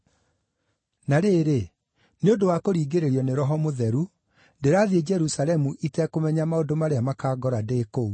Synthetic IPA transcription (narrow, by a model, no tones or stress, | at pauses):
naɾeːɾe | neondowakoɾiːɡeɾeɾjɔneɾɔɦɔmoðɛɾu | ndeɾaːðied͡ʒɛɾusalɛmuʔitɛkomɛɲamaodomaɾeamakaːɡɔɾadekou